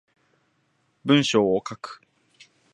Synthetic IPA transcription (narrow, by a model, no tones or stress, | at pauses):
bɯ̟̃ɰ̃ɕoːokakɯ̥